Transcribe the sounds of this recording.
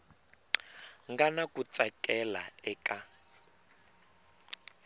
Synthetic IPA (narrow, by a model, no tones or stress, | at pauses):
ŋɡanakut͡sakʼɛla̰ɛkʼa